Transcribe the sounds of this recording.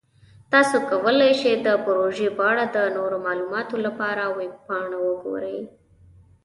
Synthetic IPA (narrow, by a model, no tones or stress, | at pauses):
t̪ɑsokawəlajʃed̪əpɾoʒebɑɽad̪ənoɾomɑlumɑt̪olapɑɾawek̚pɑɳawəɡo̰ɾəj